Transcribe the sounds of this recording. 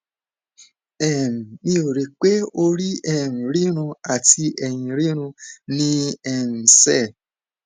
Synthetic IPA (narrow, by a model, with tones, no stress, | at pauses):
ɛ˨m̩˨nĩ˦o˨ɾe˨k͡pe˦o˧ɾi˦ɛ˦˨n̩˨ɾi˦ɾ̃ũ˧a˨ti˧ʔɛ˨j̃ĩ˨ɾi˦ɾ̃ũ˧nĩ˦ɛ˨n̩˨sɛ˦˨